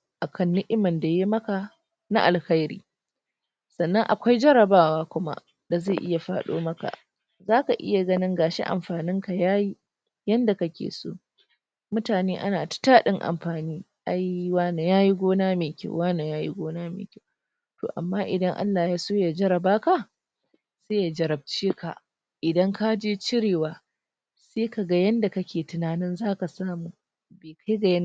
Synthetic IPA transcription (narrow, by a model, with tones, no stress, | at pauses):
ʔa˨kʰɐ˦nːʊ˦ʔɪ˦mɐ˨nda˨je˦mɐ˦ka˨ | na̰˦ʔa˨lxɐ˦jɾḭː˦ | sɐ˨nːɐ˦ŋʔa˨kʷa˦jd͡ʒɐ˦ɾɐ˨baː˦waː˦kʷʊ˦ma̰˦ʔ | da˨za˦˨ʔɪ˦ja˨ɸa̰ː˦ɗo̰ː˦mɐ˦ka̰˨ | zaː˦ka˨ʔɪ̰˦ja˨ɡɐ˦nɪ˦ŋɡaː˨ʃḛ˦ʔa̰˨mɸaː˨nɪ˦ŋka˨jaː˦ji˦ | jɐ˦nda˨kɐ˦kʲḛː˨so̰ː˦ | mʊ˦taː˨neː˦ʔa̰˦naː˨tḁ˦taː˦ɗɪ˦ŋʔa̰˨mɸaː˨niː˦ | ʔa˦jwaː˦na˨jaː˦ji˦ɡʷoː˦naː˦meː˨kʲa̰˦wwaː˦na˨jaː˦jḭ˦ɡʷoː˦naː˦mḛː˨kʲa˦w | to̰ː˨ʔa˨mːaː˦ʔɪ˨dɐ˦ŋʔa̰˦lːaː˨jaː˦soː˦jaː˨d͡ʒɐ˦ɾɐ˨baː˦ka˨ | seː˦ja˨d͡ʒɐ˨ɾɐ˨b̚t͡ʃeː˦ka̰˨ | ʔɪ˨dɐ˦ŋka˦d͡ʒeː˦t͡ʃɪ˦ɽeː˨waː˨ | seː˦ka˨ɡa˦jɐ˦nda˨kɐ˦kʲeː˨tʊ˨naː˨nɪ˦nzaː˦ka˨saː˦muː˨ | beː˨kʰa˦jɡa˨jn˦